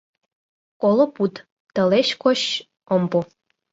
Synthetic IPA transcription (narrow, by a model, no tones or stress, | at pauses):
kolˠoput̪ | t̪ə̆leɕkʰoɕ | ompo